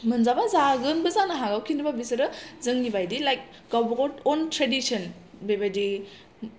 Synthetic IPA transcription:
mɯnzabazaɡɯnbɯzanaɦaɡawkʰinɯbabisɐɾɯzɯŋnibajdilajk̚ | ɡ̥awbɐɡɔtɔntɾedisɔnbebajdi

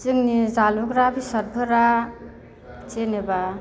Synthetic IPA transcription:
t͡sɯŋnizalukɾabisat̚bʱɯɾa | t͡ʃeneba

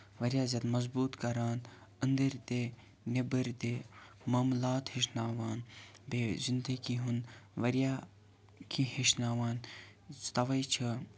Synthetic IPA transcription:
ʋɐɾʲjaːzʲɐd̪mɐzbuːt̪kɐɾaːn | ənd̪ɐɾt̪e | nebəɾt̪eː | maːmlaːt̪hiʃ̬naːʋaːnbezind̪ɐɡiɦunʋɐɾjaː | kʰĩhiʃnaːʋaːn | t̪ɐʋɐjt͡ʃʰɐ

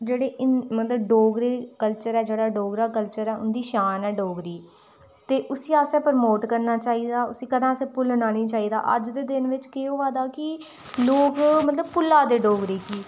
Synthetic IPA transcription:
d͡ʒeːɽeːɪmət̪ləbɖoːɡɾeːkəlt͡ʃəɾɛːd͡ʒeːɽaːɖoːɡɾaːkəlt͡ʃəɾɛːʊ̰nd̪iːʃaːnɛːɖoːɡɾiː | t̪eːʔʊsiːaːsɛːpəɾmoːʈkəɾnaːt͡ʃaːiːd̪aːʊsiːkəd̪ãːsẽːpʊlnaːnĩːt͡ʃaːiːd̪a̰ːʔə̰d͡ʒd̪eːd̪ɪnʋɪt͡ʃkeːoːʋaːd̪aːkɪ | loːkmət̪ləb̚pʊlːaːd̪eːɖoːɡɾiːkiː

